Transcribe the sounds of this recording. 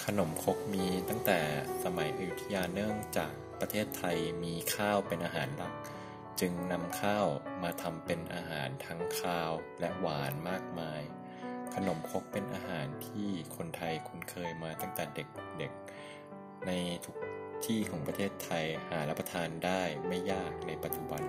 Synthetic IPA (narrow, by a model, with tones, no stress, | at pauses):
kʰa˧no˩˦mkʰo˦˥k̚miː˧t̪a˥˩ŋt̪ɛː˨˩sa˧ma˩˦jʔu˨˩i˦t̪ʰa˧jaː˧nːɯ˥˩əŋt͡ɕa̰ː˨˩k̚pɾa˧t̪ʰeː˥˩t̪ʰːa˧jmiː˧kʰaː˥˩wpe˧nʔaː˧ɦaː˩˦nla˦˥k̚ | t͡ɕɯ˧ŋna˧mkʰaː˥˩wmaː˧t̪ʰa˧mpe˧nʔaː˧ɦa̰ː˩˦nt̪ʰa˦˥ŋkʰaː˥˩wlɛ˦˥ʔwaː˩˦nmaː˥˩k̚maː˧j | kʰa˧no˩˦mkʰo˦˥k̚pe˧nʔaː˧ɦaː˩˦nt̪ʰiː˥˩kʰo˧nt̪ʰa˧jkʰu˧nkʰɤː˧jmaː˧t̪a˥˩ŋt̪ɛː˨˩de˨˩k̚de˨˩k̚ | na˧jt̪ʰu̥˦˥k̚t̪ʰiː˥˩kʰɔː˩˦ŋpɾa˧t̪ʰeː˥˩t̪ʰːa˧jhaː˩˦la˦˥pːa˧t̪ʰaː˧ndaː˥˩jma˥˩jːaː˥˩k̚na˧jpa˨˩t̪̚t͡ɕu˧ba˧n